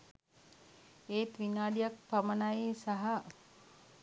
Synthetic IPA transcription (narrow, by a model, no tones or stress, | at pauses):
eːt̪ʋinaːɖijak̚pamənajesaɦa